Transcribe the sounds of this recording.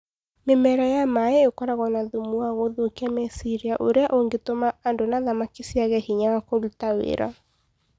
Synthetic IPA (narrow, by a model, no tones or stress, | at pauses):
memɛɾajamaɛekɔɾaɣɔnaðumuaɣoðokiamɛsiɾiaʔoɾeaʔoŋɡetomaːndonaðamakisiaɣɛhiɲawakoβutawḛɾa̰